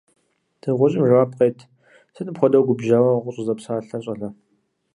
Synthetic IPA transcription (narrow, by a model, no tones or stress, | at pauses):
d̥ʰɨʁʷʊɕʼɪmraːp̚qejtʰ | sɨnɨpxʷɔdɐwɡʷʊbʒaːwɐqʷʼʊɕʼɪzɐpsaːɬɐɕʼɐɮɐ